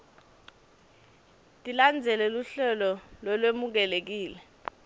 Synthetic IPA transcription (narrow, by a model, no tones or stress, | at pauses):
tʼiland͡zʱɛlɛluɬɛlɔlwɔlwemuk̬ɛlek̬iːlɛ